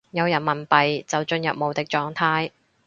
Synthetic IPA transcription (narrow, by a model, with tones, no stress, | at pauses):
jɐ˨˧wjɐ˨˩nmɐ˨˩npɐ˨jt͡sɐ˨wt͡ʃɵ˧njɐ˨p̚mo˨˧wt̪ɪ˨k̚t͡ʃɔː˧ŋt̪ʰaː˧j